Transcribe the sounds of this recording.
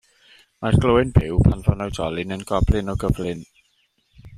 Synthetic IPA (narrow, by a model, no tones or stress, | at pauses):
marɡloːɪnbɪwpʰanvɔnawdɔlˠɪnənɡɔblɪnɔɡəvlɪn